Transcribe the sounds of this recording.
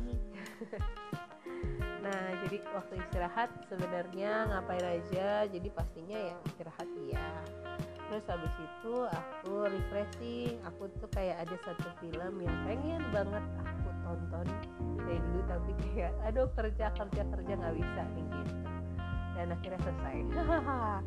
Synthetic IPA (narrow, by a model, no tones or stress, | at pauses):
nahd͡ʒadiwak̚t̪uist̪iɾaɦat̪̚səbənarɲaŋapaiɾad͡ʒad͡ʒadipast̪iɲajaist̪iɾahat̪̚ja | t̪ɾʊshabɪsit̪uakuɾist̪ɾɛsɪakut̪ukajaʔːdasat̪ufiləmjaŋpeŋɛnbaŋət̪̚akut̪ɔnt̪ɔnaindut̪apikajaʔadokərd͡ʒakərd͡ʒakərd͡ʒaŋɡabisaiŋit̪ | danakiɾasəsa̰j